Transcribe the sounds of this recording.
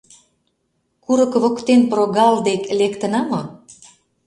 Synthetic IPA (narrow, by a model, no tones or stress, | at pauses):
kuɾɤ̆kβokt̪enproɣɑld̪eklekt̪ə̆nɑmo